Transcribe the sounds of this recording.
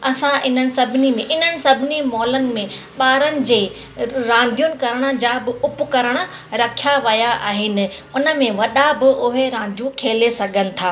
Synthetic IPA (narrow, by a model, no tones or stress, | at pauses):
ɐsãʔɪn̤ənɪ̆sɐbʱɪnimẽʔɪn̤ənɪ̆sɐbʱɪnimɔːlənɪ̆mẽ | ɓaːɾənɪ̆d͡ʑeː | ɾãːn̆d̪ʱijunɪ̆kɐɾəɽ̃ə̆d͡ʑaːbɪʊpʊkɐɾəɽ̃ə̆ɾɐkʰijaʋɐjaʔaːɦɪnɪ̆ʊnə̆mẽʋɐɗabɪʔʊɦeɾãːnd̪ʱijũkʰeːlesɐɡʱənɪ̆t̪ʰaː